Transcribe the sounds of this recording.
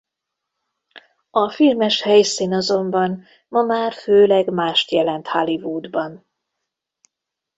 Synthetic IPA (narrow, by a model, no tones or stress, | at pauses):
ɒfilmɛʃhɛjsiːnɒzo̞mbɒn | mɒmaːrføːlɛɡmaːʃt̪jɛlɛnt̪halivuːd̪bɒn